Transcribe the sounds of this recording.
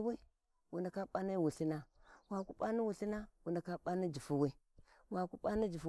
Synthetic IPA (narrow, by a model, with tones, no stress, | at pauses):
we˦ | wu˨nda˨ka˦ɓa˦na˦wu˨ɬi˦na˦wa˨ku˦ɓa˦ni˦wu˨ɬi˦na˦wu˨nda˨ka˦ɓa˦ni˦d͡ʒi˨fu˦wi˦ | wa˨ku˦pa˦ni˦d͡ʒi˨f